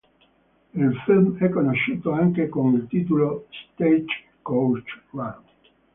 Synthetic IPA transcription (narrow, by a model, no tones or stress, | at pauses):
ilfilmɛkːonoʃːuːt̪oaŋkekonilt̪iːt̪ulost̪et͡ʃ | kowt͡ʃwa